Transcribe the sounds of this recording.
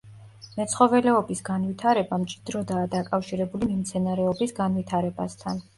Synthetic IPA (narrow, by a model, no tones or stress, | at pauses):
mɛt̪sχɔvɛlɛɔbisɡanvit̪ʰaɾɛbamt͡ʃʼid̪̥ɾɔd̪aːd̪akʼafʃiɾɛbulimimt̪sʰɛnaɾɛɔbisɡanvit̪ʰaɾɛba̰st̪ʰan